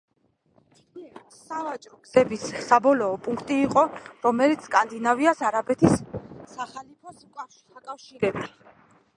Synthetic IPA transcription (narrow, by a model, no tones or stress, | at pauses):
savat͡ʃʼɾɔɡ̥z̥ɛbisːabɔlɔːpʼuŋkʰt̪ʼiːqʼɔɾɔmɛlit̪sʰkʼand̪inaviasaɾabɛt̪ʰisːaχalipʰɔskʼaʃiakʼafʃiɾɛbi